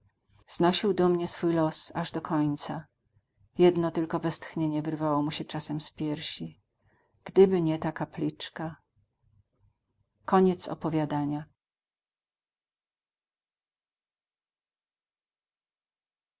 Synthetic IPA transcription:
z̥nɔɕiwd̪ɔmɲɛsfujlɔsaʐd̪ɔkʰɔɲt̪sa | jɛd̪nɔt̪ɘlkɔvɛst̪xɲeɲɛvɘɾvawɔmuɕɛt͡ʂasɛmspʲjɛɾɕi | ɡ̥d̪ɘbɘɲɛt̪akaplʲit͡ʂka | kɔɲɛt̪sɔ̰pɔvʲjad̪aɲa

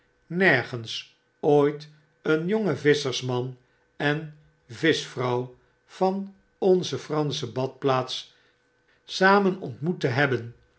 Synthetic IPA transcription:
nɛɹχəns | oːjt | ənjoŋəvɪsəɹsmɑn | ɛn | vɪsfrɑw | v̥ɑn | ɔnzəfrɑnsəbɑt̚plaːts | saːmənɔ̰ntmutəɦɛbən

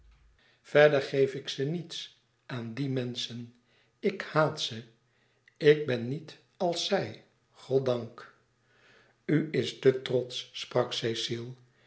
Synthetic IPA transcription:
v̥ɛɹdəɹχejfɪksənits | ʔaːndimɛnsən | ɪkhaːtsə | ɪɡ̚bɛnːit | ɑlˠsɛj | χɔtdɑŋk | yɪstətrɔtsːprɑksejsilˠ

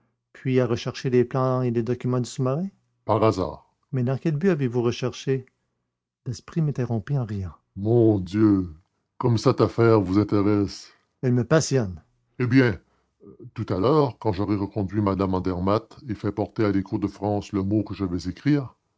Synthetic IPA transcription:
pʰɥiaʁəʃɛʁʃeleplɑ̃eled̪ɔkʲymɑ̃d̪ysumaʁɛ̃ | paʁaza̰ːʁ | mɛd̪ɑ̃kʲɛlbyavevuʁəʃɛʁʃe | lɛspʁimɛ̃t̪eʁɔ̃piɑ̃ʁjɑ̃ | mɔ̃d̪jø | kɔmsat̪afɛːʁvuzɛ̃t̪eʁɛs | ɛlməpasjɔn | ebjɛ̃ | t̪ut̪alœːʁkɑ̃ʒɔʁɛʁəkɔ̃d̪ɥimad̪amɑ̃d̪ɛʁmat̪efɛpɔʁt̪ealekuːʁd̪əfχɑ̃ːsləmokəʒavɛzekʁiːʁ

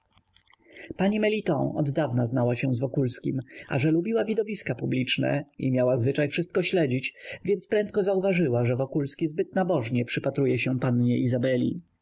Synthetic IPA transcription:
paɲimɛlʲit̪ɔ̰̃ɔ̰d̪ːavnaznawaɕɛzvɔkulskʲima̰ʐɛlubʲiwavʲid̪ɔvʲiskapublʲit͡ʂnɛ̰ḭmʲjawazvɘt͡ʂajfʂɘst̪̚kɔɕlɛd͡ʑit͡ɕvʲjɛnt̪spɾɛnt̪̚kɔzauvaʐɘwaʐɛvɔkulskʲizbɘt̪nabɔʐɲɛpʂɘpat̪ɾujɛɕɛpanɲɛʔizabɛlʲḭ

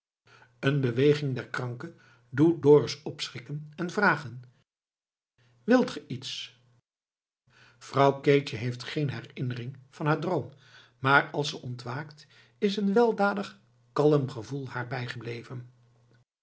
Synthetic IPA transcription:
ənbəʋejχɪŋdɛɹkrɑŋkə | dudɔːɹsɔpsχɪkənɛnvraːχən | ʋɪlˠtχəʔits | v̥rɑwkeːt͡ʃəɦejftχejnɦɛrɪnərɪŋv̥ɑnɦaːɹdrowm | maːrɑlˠsəʔɔntʋaːkt | ɪsənʋɛlˠdaːdəχ | kɑləmχəvulˠhaːɹbɛjχəblejvən

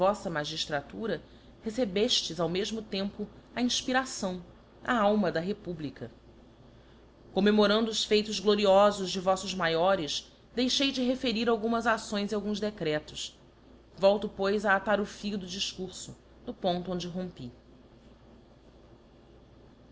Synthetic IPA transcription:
vɔsɐmaʒiʃt̪ɾat̪uɾɐ | hesebeʃt͡ʃɪzawmeʒmʊt̪ẽmpʊɐĩʃpiɾasɐ̃w̃ | ɐ̰awmɐd̪ɐɦepublikɐ | komemoɾɐ̃nd̪ʊːʃfejt̪ʊzɡloɾiɔzʊzd͡ʒɪvɔsʊzmajɔɾɪs | d̪ejʃejd͡ʒɪɦefeɾiɾawɡũmɐzasõj̃ziawɡũzd̪ekɾɛt̪ʊs | vɔwt̪ʊpojzɐːt̪aɾʊfijʊd̪ʊd͡ʒiʃkuɾsʊ | nʊpõnt̪ʊõd͡ʒɪɦõmpi

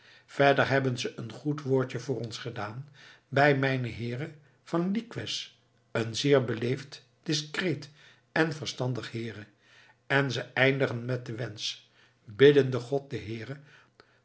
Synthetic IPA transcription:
v̥ɛɹdəɹɦɛbənzəʔənχutʋoːɹt͡ʃəvʊːɾɔnsχədaːn | bɛjmɛjnəɦɪːrə | v̥ɑnlikʋɪs | ənzɪːɹbəlejft | d̥ɪskrejt | ɛnvəɹstɑndəχɦɪːrə | ɛnzəɛjndəχənmɛt̚dəʋɛns | bɪdəndəχɔt̚dəɦɪːrə

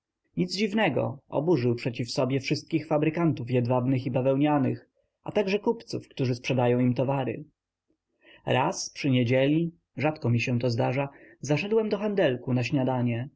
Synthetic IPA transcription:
ɲid̪zd͡ʑivnɛɡɔ̰ʔɔ̰buʐɘwpʂɛt͡ɕifsɔbʲjɛfʂɘst̪̚kʲixfabɾɘkant̪ufjɛd̪vabnɘxibavɛwɲanɘx | ʔa̰t̪aɡʐɛkupt̪sufkt̪uʐɘspʂɛd̪ajɔ̃w̃imt̪ɔvaɾɘ̰ | ɾaspʂɘɲed͡ʑɛlʲi | ʐat̪kɔmʲiɕɛ̃t̪ɔzd̪aʐazaʂ̬ɛd̪wɛmd̪ɔxand̪ɛlkunaɕɲad̪aɲɛ

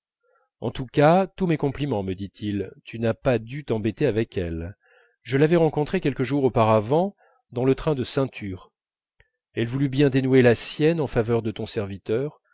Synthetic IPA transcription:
ɑ̃t̪ukat̪umɛkɔ̃plimɑ̃məd̪it̪ʰilt̪ʰynapad̪yt̪ɑ̃bet̪eavɛkɛl | ʒəlavɛʁɑ̃kɔ̃t̪χekʲɛlkəʒuʁopaʁavɑ̃ | d̪ɑ̃lət̪χɛ̃d̪əsɛ̃t̪ʰyːʁ | ɛlvulybjɛ̃d̪enwelasjɛnɑ̃favœʁd̪ət̪ɔ̃sɛʁvit̪œʁ

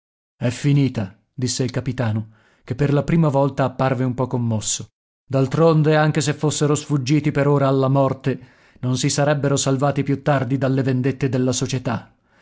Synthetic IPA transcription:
ɛfːiniːt̪a | d̪isːeilkapit̪aːno | kepːerlapɾiːmavɔlt̪aːpːarveumpɔkːomːɔsːo | d̪alt̪ɾond̪eaŋk̟esefːosːeɾosfud͡ʒːiːt̪ipeɾoːɾaːlːamɔrt̪e | nonsisaɾɛbːeɾosalvaːt̪ipjut̪ːard̪id̪alːevend̪et̪ːed̪elːasot͡ʃet̪a

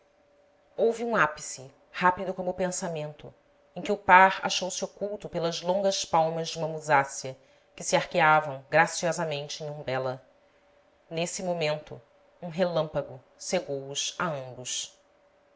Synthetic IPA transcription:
owvɪũapi̥sɪ | hapid̪ʊkõmʊpẽsamẽnt̪ʊ | ẽkʲɪʊpaɾa̰ʃowsɪokuwt̪ʊpelɐzlõŋɡɐspawmɐzd͡ʒɪũmɐmuzasiɐ | kɪsɪaɾkeavɐ̃w̃ɡɾasiɔzɐmẽnt͡ʃɪẽj̃ũmbɛlɐ | nesɪmomẽnt̪ʊ̰ | ũɦelɐ̃mpɐɡʊ | seɡowʊsaɐ̃mbʊʃ

